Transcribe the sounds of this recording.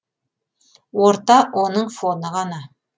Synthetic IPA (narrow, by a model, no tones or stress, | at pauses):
woɾt̪ɑʔonɤɴfonəʁɑnɑ